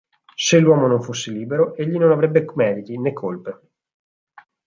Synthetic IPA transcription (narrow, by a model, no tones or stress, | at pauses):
selːwɔːmonoɱfosːeliːbeɾoeʎːinonavɾebːekmɛːd̪it̪inekʰːolpe